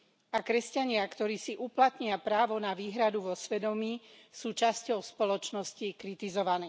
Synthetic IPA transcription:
akɾɛscaɲɪakt̪ɔɾiːsiʔuplat̪ɲɪapɾaːʋɔnaʋiːɦɾad̪uʋɔsʋɛd̪ɔmiː | suːt͡ʃascɔʊspɔlɔt͡ʃnɔscikɾit̪izɔʋaniː

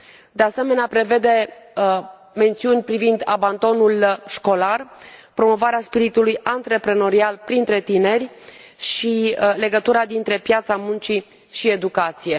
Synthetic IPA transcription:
d̪e̞ase̞me̞neapɾe̞ve̞d̪e̞ | me̞nt̪siunʲpɾivind̪aband̪o̞nulʃko̞larpɾo̞mo̞vaɾeaspiɾit̪ulujant̪ɾe̞pɾeno̞ɾialpɾint̪ɾe̞t̪ine̞rʲ | ʃile̞ɡət̪uɾad̪int̪ɾe̞pjat̪samunt͡ʃi | ʃie̞d̪ukat̪sije̞

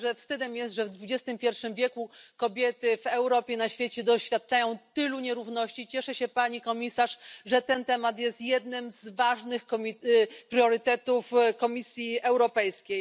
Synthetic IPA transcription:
ʐɛfst̪ɘd̪ɛmjɛst̪ʐɛvd̪vud͡ʑɛst̪ɘmpʲjɛɾfʂɘmvʲjɛkukɔbʲjɛt̪ɘvɛwɾɔpʲjɛnaɕfʲjet͡ɕɛd̪ɔɕfʲat̪̚t͡ʂajɔ̃w̃t̪ɘluɲɛɾuvnɔɕt͡ɕit͡ɕɛʂɛɕɛpaɲikɔmʲisaʂʐɛt̪ɛnt̪ɛmat̪jɛst̪jɛd̪nɘmzvaʐnɘxkɔmʲipɾjɔɾɘt̪ɛt̪ufkɔmʲisʲjiɛwɾɔpɛjskʲej

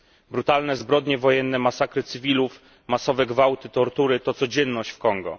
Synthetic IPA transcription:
bɾut̪alnɛzbɾɔd̪ɲɛvɔjɛnːɛmasakɾɘt̪sɘvʲiluf | masɔvɛɡvawt̪ɘt̪ɔɾt̪uɾɘt̪ɔt̪sɔd͡ʑɛnːɔɕt͡ɕfkɔŋɡɔ̰

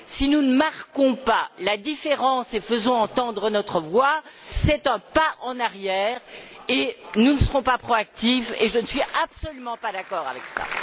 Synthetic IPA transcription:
sinunəmaʁkɔ̃palad̪ifeʁɑ̃sefəzɔ̃ɑ̃t̪ɑ̃d̪ʁənɔt̪χəvwa | sɛt̪ɛ̃paʔɑ̃naʁjɛːʁenunəsəʁɔ̃papχɔak̚t̪iveʒənəsɥiʔapsɔlymɑ̃pad̪akɔʁa̰vɛksa̰

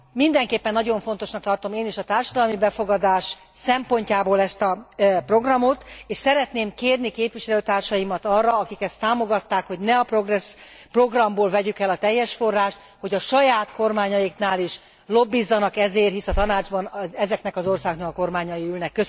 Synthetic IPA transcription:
mind̪ɛŋkeːpːɛnːɒɟo̞ɱfo̞nt̪o̞ʃnɒkt̪ɒrt̪o̞meːniʃɒt̪aːrʃɒd̪ɒlmibɛfo̞ɡɒd̪aːʃ | sɛmpo̞ɲcaːboːlɛst̪ɒpro̞ɡrɒmot̪eːʃsɛɾɛt̪neːmkeːrnikeːpʋiʃɛløːt̪aːrʃɒjimɒt̪ɒːrːɒɒkikɛst̪ːaːmo̞ɡɒt̪ːaːkho̞ɟnɛɒproɡrɛs | pro̞ɡrɒmboːlvɛɟykɛlɒt̪ɛjːɛʃfo̞rːaːʃt̪ | ho̞ɟɒʃɒjaːt̪ko̞rmaːɲɒjiknaːliʃ | lo̞bːizːɒnɒkɛzeːrɦisɒt̪ɒnaːd͡ʒbɒnɛzɛkn̪ɛkɒzo̞rsaːɡoknɒkɒko̞rmaːɲɒjiylnɛkːøs

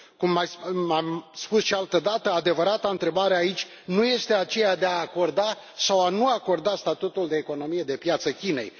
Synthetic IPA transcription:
kumːajsamspusʃialt̪əd̪at̪əad̪e̞vəɾat̪aɨnt̪ɾe̞baɾeait͡ʃʲ | nuje̞st̪e̞at͡ʃe̞jad̪eaːko̞rd̪a | sawanuako̞rd̪ast̪at̪ut̪uld̪e̞ːko̞no̞mije̞d̪e̞pjat̪səkʲine̞̰j

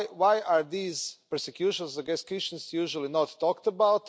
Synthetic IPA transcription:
wajaɾd̪iːzpəɾsekjuʃɔ̃nsaɡɛskiʃə̃nsjuʒulˠinɔt̪ʰːɔkt̪əbawt̪

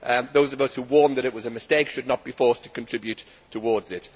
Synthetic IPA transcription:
ʔðoʊzəvʌshuwɔɹnðəɾɪʔ̚wʌzəmɨsteɪkʃɨdⁿnət̚b̥ifɔɹstʰə̥kə̃ntʰɹ̥ɪbjʉtʰː | əwɔɹdzɪt

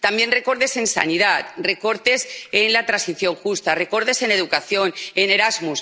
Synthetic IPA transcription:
t̪ambje̞nre̞ko̞ɾðe̞se̞nsa̰nið̞at̪re̞ko̞ɾt̪e̞senlat̪ɾansiθjo̞ŋxust̪are̞ko̞ɾðe̞se̞ne̞ðukaθjo̞ne̞ne̞ɾazmus

